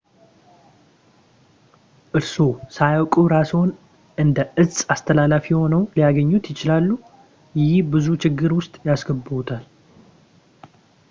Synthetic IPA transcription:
ʔɨɾso̞sajawkʼuɾasəwn | ʔɨnd̪əʔɨsʼast̪ʰəlalafiho̞nəwlijaɡəɲːut̪jɪt͡ʃɪlalːu | jɪɪbɨzut͡ʃɪɡːɨɾwʊst̪ʼjasɡəbːɨut̪ʰal

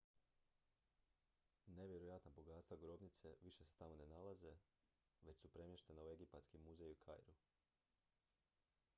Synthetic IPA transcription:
neʋʲje̞ɾojat̪nabo̞ɡat̪t̪ʋaɡɾo̞bnit̪se̞ʋiʃe̞se̥t̪amo̞ne̞nalaze̞ | ʋe̞t͡ɕsupɾe̞mjeʃt̪e̞naue̞ɡipat̪skimuzejuikʰa̰jɾu

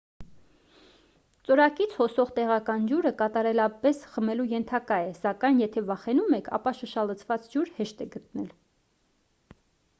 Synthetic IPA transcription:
t͡sɔɾɑkit͡sʰhɔsɔʁt̪ɛʁɑkɑnd͡ʒuɾəkɑt̪ɑɾɛlɑpɛsχəmɛlujɛnt̪ʰɑkɑjɛsɑkɑjnjɛt̪ʰɛvɑχɛnumɛkʰɑ̰pɑʃəʃɑlət͡sʰvɑt͡sd͡ʒuɾhɛʃt̪ɛɡət̪nɛl

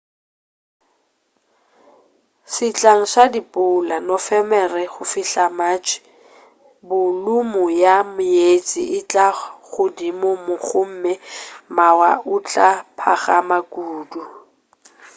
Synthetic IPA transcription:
sɪt͡ɬʼaŋ̩sadipʼʊlanɔfɛmɛrɛχʊfɪɬamat͡ʃʼɪ̥ | bʊlʊmʊjamʊjet͡sʼḭʔɪt͡ɬʼaɣʊdimʊmʊχʰʊm̩mɛmawaʊt͡ɬʼapʰa̰ɣamakʼuːdu

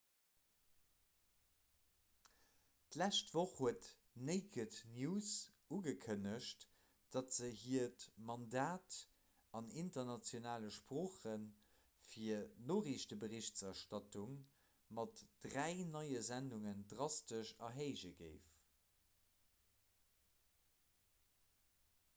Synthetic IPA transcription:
tlæʃtv̥oχhuət | neɪkʰətnjuːs | uɡəkʰənəʃt | d̥ɑtz̥əhiɐtmɑndaːt | ɑnintɐnɑt͡sjonaːləʃpʁoːχən | fiɐnoːʁiʃtəbəʁiʃtsɑɐʃtɑtuŋ | mɑtd̥ʁæɪnɑɪəzænduŋəndʁɑstəʃɑɦeɪʒəɡə̰ɪf

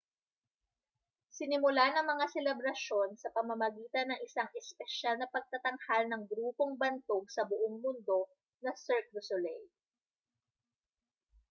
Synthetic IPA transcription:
sɪnɪmʊlanɐŋmɐŋasɛlɛbɾɐʃo̞nsɐpɐmɐmɐɡiːt̪ɐnɐŋʔɪsaŋʔɛspɛʃalnɐpɐɡ̚t̪ɐt̪ɐŋhalnɐŋɡɾuːpo̞ŋbɐnt̪oɡ̚sɐbʊʔoŋmʊnd̪o̞ | nɐsɛɹk̚ɾʊsolɛj

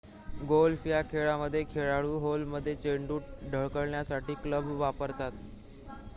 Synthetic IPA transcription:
ɡolfijakʰeɭaməd̪ʱːjekʰeɭaɭuːɦolməd̪ʱːjet͡ɕeɳɖuːʈɖʱəɭkəɭɳjasaʈiːkləbʱʋapəɾt̪at̪

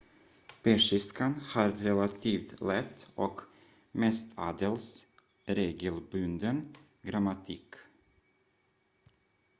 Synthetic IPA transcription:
pɛʂɪskanhaɾːɛlat̪ʰiːft̪lɛt̪ːʔɔk | mɛst̪ʰɑ̰ːd̪ɛls | ɾeːɡəlbɵnd̪ən | ɡɾamat̪ʰiːk

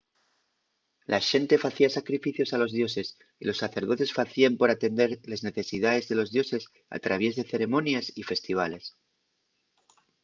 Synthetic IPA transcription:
lʔaʃe̞nt̪e̞faθiasakɾifiθjo̞salo̞zðjo̞se̞s | ilo̞sːaθe̞ɾð̞o̞t̪esfaθiampo̞ɾat̪e̞nd̪e̞ɾlezne̞θe̞sið̞aðe̞zðe̞lo̞zðjo̞se̞s | a̰t̪ɾaβ̞je̞zðe̞θe̞ɾe̞mõ̞njasife̞st̪iβ̞ale̞s

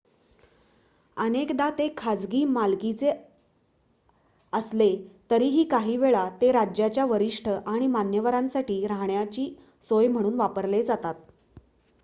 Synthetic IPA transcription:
ənekd̪at̪ekʰad͡zɡiːmalkit͡se | əslet̪əɾiːɦiːkaɦiːʋeɭat̪eɾad͡ʑjat͡ɕjaʋəɾiʂʈʰəʔaɽ̃imanjəʋəɾãnsaʈiːɾaɦɳjat͡ɕiː | sojm̤əɽ̃uːnʋapəɾled͡zat̪at̪̚

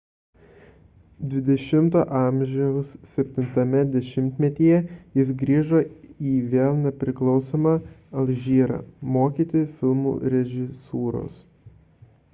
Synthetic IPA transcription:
d̪ʲʋʲɪd̪ʲɛʃʲɪmt̪oːʔɑˑmʲʒʲɛʊsːʲɛpʲt̪ʲɪnt̪ɐmʲɛd̪ʲɛʃʲɪmʲt̪ʲmʲɛt̪ʲiːjɛjɪsɡɾʲiːʒoːiːʋʲeːlˠnʲɛpʲɾʲɪklˠɒʊsoːmɑːɐlʲˠʒʲiːɾɑ̰ːmoːkʲiːt̪ʲɪfʲɪlˠmṵːɾʲɛʒʲɪsuːɾo̰s

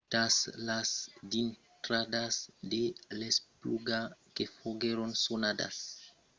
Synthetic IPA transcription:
t̪aslasd̪int̪ɾadasd̪elespluɡakefoɡeɾonsonada̰s

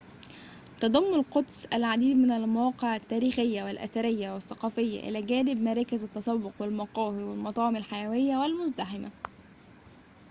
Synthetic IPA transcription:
t̪ɑd̪ˤɑmːɑlqʊd̪sʔælʕad̪iːd̪mɪnælmawɑːqɪʕat̪ːæːɾiːxɪjːawɪlʔæ̰θaɾɪjːawɪθːɑqɑːfɪjːa̰ʔɪ̰læːɡæːnɪbmɑɾˤɑːkɪzæt̪ːɑsˤɑwːʊqwɪlmɑqɑːhiwɪlmɑt̪ˤɑːʕɪmalħajæwɪjːawɪlmʊzd̪aħɪma̰

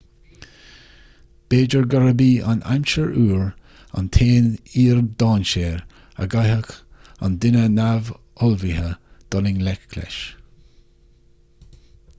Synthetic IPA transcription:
b̥eːd͡ʒəɹɡaɹəbiːa̰nʔa̰mʃəɹuːɹ | a̰nt̪ʰeːniːɹd̪ɑːnʃeːɹ | ə̰ɡajɦək | a̰nd̪ɪnənav | ɔlvihəd̪̥ɔlɪŋlɛkːʰlɛ̰ʃ

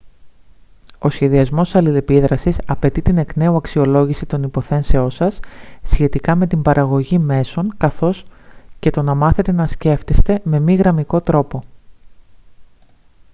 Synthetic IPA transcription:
o̞sçe̞ðiɐzmo̞ssɐlile̞piðɾɐsisɐpe̞t̪it̪ine̞kne̞uɐksio̞lo̞ʝisit̪o̞nipo̞θe̞nse̞o̞nsɐsːçe̞t̪ikɐme̞t̪imbɐɾʔɐɣo̞ʝime̞so̞ŋkɐθo̞sce̞t̪o̞nɐmɐθe̞t̪e̞nɐsce̞ft̪est̪e̞me̞miɣɾɐmiko̞t̪ɾo̞po̞

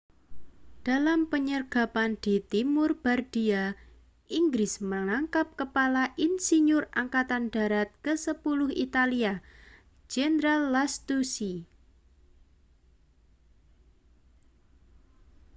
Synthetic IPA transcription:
d̥alampəɲərɡ̥a̤pand̪̥i̤t̪imʊrb̥ard̥ia | ʔiŋɡɾɪsməŋaŋkap̚kəpalaʔinsiɲʊraŋkat̪and̥a̤ɾat̪̚kəsəpulʊhḭt̪alia | d͡ʒɛnɾalːast̪usi

